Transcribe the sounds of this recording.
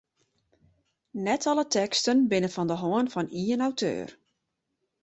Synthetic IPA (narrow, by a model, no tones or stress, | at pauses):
nɛtʰɔlətʰɛkstənbɪnəfɔndəɦoənfɔniənawtʰø̰ːr